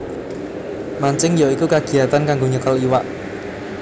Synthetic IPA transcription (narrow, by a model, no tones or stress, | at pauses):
maɲt͡ʃɪŋjoikukaɡ̥i̤at̪ankaŋɡoɲət̪əliwaʔ